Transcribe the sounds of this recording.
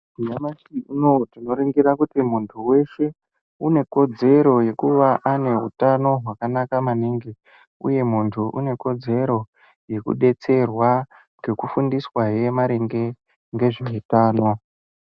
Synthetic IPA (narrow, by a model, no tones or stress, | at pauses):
ijamasiunotino̞ɾiŋɡiɾakutimuntʰuwe̞ʃe̞ | une̞ko̞d͡ze̞ɾo̞je̞kuʋaʔane̞ɦṵtano̞ɦwakanakamaniːŋɡe | ṵje̞muntʰuʔṵne̞ko̞d͡ze̞ɾo̞ | je̞kṵɗe̞t͡se̞rwa | ŋɡe̞kufundiswaɦe̞maɾeŋɡe̞ | ŋɡe̞ʐiɦitaːno̞